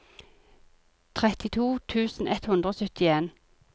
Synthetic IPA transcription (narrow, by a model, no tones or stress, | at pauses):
t̪ʰʁɛt̪ɪt̪ʰuːt̪ʰʉːsn̩ɛt̪hʉnd̪ʁəoːsœt̪ɪeːn